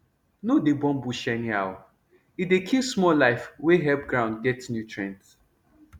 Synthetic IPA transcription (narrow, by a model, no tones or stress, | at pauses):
nodebɔ̃mbuʃɛniawa | idekʰismɔlaɪfweɦɛp̚ɡɹãʊ̃nd̚ɡɛtnjutʰɹɛ̃nt